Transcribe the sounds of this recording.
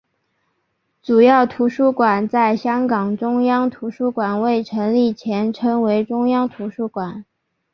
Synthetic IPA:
ʈ͡ʂu˨˩jɑ˥˩ʊt̪ʰu˧˥ʂu˥kwa˨˩nt͡sa˥˩ɪɕjɑ˥ŋkɑ˨˩ŋʈ͡ʂʊ˥ŋjɑ˥ŋt̪ʰu˧˥ʂu˥kwa˨˩nwe˥˩ɪʈ͡ʂʰɤ˧˥ŋli˥˩t͡ɕʰjɛ˧˥nʈ͡ʂʰɤ˥ŋwe˧˥ɪʈ͡ʂʊ˥ŋjɑ˥ŋt̪ʰu˧˥ʂu˥kwa˨˩˦n

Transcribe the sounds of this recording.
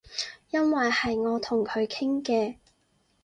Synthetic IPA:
jɐ˥nwɐ˨jhɐ˨jŋɔː˨˧t̪ʰʊ˨˩ŋkʰɵ˨˧ɥkʰɪ˥ŋkɛː˧

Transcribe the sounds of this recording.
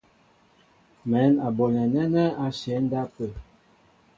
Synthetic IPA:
mɛ˨˦na˨bɔ˨nɛ˨nɛ˦nɛ˦a˨ʃɛ˨˦n̩˦da˦pə˨

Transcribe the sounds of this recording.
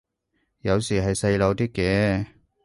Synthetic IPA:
jɐ˨˧wsiː˨˩ɦɐ˨jsɐ˧jlo˨˧wt̪iː˥kːɛː˨˧

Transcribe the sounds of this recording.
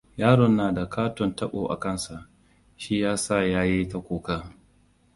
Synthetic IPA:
jaː˦ɽɔ˨nːaː˨da˨kʰaː˦tɔ˨ntɐ˦ɓo̰ː˨ʔa̰˨kɐ˦˨nsa˨ʔ | ʃiː˦jaː˦sa˦˨jaː˦je˦ta˨kʷoː˨kaː˦

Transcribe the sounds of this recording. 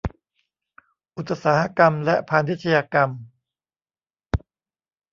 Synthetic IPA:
ʔu˧˦t̪ʰːa˧saː˩˦ɦa˦˥ka˧mlɛ˦˥pʰaː˧nːi˦t̪̚t͡ɕʰa˧jaː˧ka˧m

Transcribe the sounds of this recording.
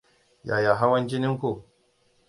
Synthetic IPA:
ja˨ja˨ɦa˦wɐ˦nd͡ʒi˦nɪ˦ŋku˨

